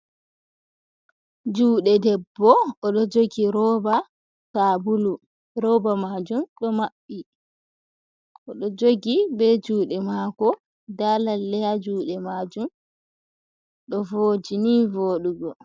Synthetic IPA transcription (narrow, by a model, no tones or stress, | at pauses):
d͡ʒuːɗɛdɛbːɔɔɗɔd͡ʒoɡiɾɔba | saːbulu | ɾɔbamad͡ʒumɗɔmaɓːi | ʔɔɗɔd͡ʒoɡibɛd͡ʒuːɗɛmaːkɔ | dalalːɛjad͡ʒuːɗɛmaːd͡ʒum | ɗɔvoːd͡ʒinivoːɗuɡɔ